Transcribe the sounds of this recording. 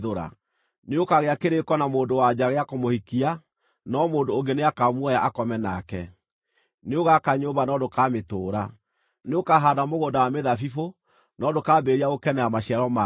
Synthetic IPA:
ðoɾa̰ | neokaɣeakeɾekɔnamoːndowad͡ʒaɣeakomohikia | nɔmoːndooŋɡeneakamwɔjaʔakɔmɛnakɛ | neoɣakaɲoːβanɔdokametoːɾa | neokaɦaːdamoɣoːndawameðafifo | nɔdokaːbeɾiaokɛnɛamaɕiaɾɔma

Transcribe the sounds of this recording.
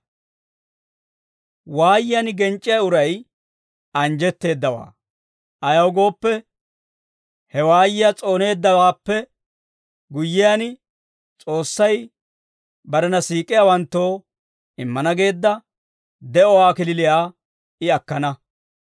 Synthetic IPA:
waːjɪjɐnɡɛnt͡ʃʼːɪjaʊɾɐj | ɐnd͡ʒɛt̪ːe̞ːd̪ːɐwa̰ː | ʔɐjɐwɡo̞ːpːɛ | hɛwaːjɪjat͡sʼo̞ːne̞ːd̪ːɐwaːpːɛ | ɡʊjːɪjan | t͡sʼo̞ːsːɐj | bɐɾɛnɐsiːkʼɪjawɐnt̪ːo̞ː | ɪmːɐnɐɡe̞ːd̪ːɐ | d̪ɛʔɔwaːkɪlɪlɪjaː | ɪɐkːɐnɐ

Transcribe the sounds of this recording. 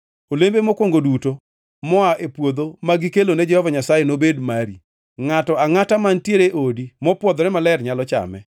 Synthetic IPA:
olembemokwoŋɡoduto | mɔaʔepwod̪omaɡikelonɛd͡ʒɛhɔvaɲasajenobedmaɾi | ŋatɔaŋatamantjeɾeʔodimɔpwɔd̪ɔɾɛmalɛrɲalɔt͡ʃa̰mɛ̰

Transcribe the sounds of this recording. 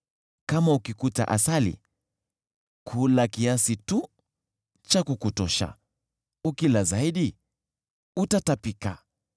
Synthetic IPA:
kamaukikuta̰ʔa̰salḭ | kʰulakiasitu | t͡ʃakukutɔʃa̰ | ukilazaiɗi | utatapika

